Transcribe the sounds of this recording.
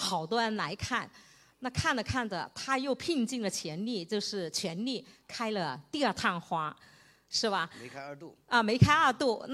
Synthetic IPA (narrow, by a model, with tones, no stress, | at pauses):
xɑ˨˩ʊt̪wɔ˥ɻə˧˥nla˧˥ɪkʰa˥˩n | na˥˧kʰa˥˩nd̪ə˩kʰa˥˩ndə̰˩t̪ʰa˥jo˥˧ʊpʰi˥˧ŋt͡ɕi˥˩ŋlə˩t͡ɕʰjɛ˧˥nli˥˧t͡ɕjo˥˧ʊʂɻ̩˥˩t͡ɕʰɥɛ˧˥nli˥˩kʰa˥ɪlə˨˧t̪i˥˧ɐ˞˥˧t̪ʰa˥˩nxwa˥ | ʂɻ̩˥˩bɐ˩˧ | ə˧me˧˥ɪkʰa˥ɪə˞˥˧t̪u˥˩n˥